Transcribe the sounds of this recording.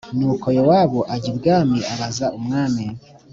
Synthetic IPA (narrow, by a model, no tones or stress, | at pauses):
nuːkʰo̞jowaβoʔaɟibɡaːmiʔaβazaumŋaːmi